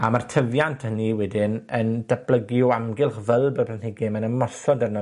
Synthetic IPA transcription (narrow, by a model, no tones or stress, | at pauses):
amartʰəvjantʰhəniwɛdɪnənd̥ablˠəɡjɔamɡɪlˠχvəlˠbərplanhɪɡɪmanəmɔsɔdɛrnɔ